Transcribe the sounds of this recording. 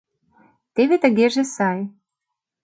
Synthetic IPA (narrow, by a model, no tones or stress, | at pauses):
t̪eβet̪ə̆ɣeʒesɑj